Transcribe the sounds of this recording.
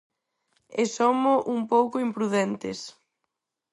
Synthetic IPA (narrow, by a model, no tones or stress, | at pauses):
esomoʔumpowkʊimpɾuðɛnt̪ɪ̰s